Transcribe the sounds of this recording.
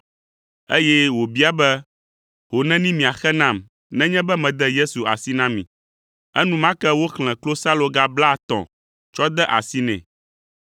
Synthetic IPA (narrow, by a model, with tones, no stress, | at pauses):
e˦jɛ˦wo˨bi˦a˦bɛ˦ | ho˨nɛ̃˦nĩ˦mĩ˨a˨xɛ˦nã˦˨m | nɛ̃˦ɲɛ̃˦bɛ˦mɛ̃˨d̪ɛ˦je˦su˨a̰˨si˦nã˦mḭ̃˨ | ɛ˦nũ˦mã˦kɛ˦wo˦xl̃ɛ̃˨klo˦sa˦lo˨ɡa˦bla˦˨t̪ɔ̰̃˨ | t͡ʃɔ˦d̪ɛ˦ʔa̰˨si˦nɛ̰̃˨